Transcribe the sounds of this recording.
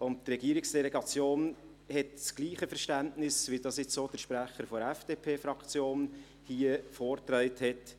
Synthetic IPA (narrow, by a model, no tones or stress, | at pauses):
ʊnttrɛɡiːəɾɪksd̥ɛlɛɡɑt͡sjoːn | hɛtsɡ̥liːχəfɛɾʃtæntnɪsʋidɑːsɪt͡ssoːd̥əɾʃpɾæχəɾfɔɾɛfd̥eːpʰeːfɾɑkt͡sjoːn | hiːəfɔːɾt̪ɾœɪthɛt